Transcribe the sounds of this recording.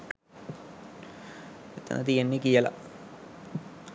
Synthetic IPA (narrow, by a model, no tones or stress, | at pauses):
et̪ːɐ̰nʔɐ̰t̪ijenːekijəlɐ̰